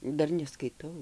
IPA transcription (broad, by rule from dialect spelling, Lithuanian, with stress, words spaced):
ˈdɐr nʲɛskɐɪˈtɐʊ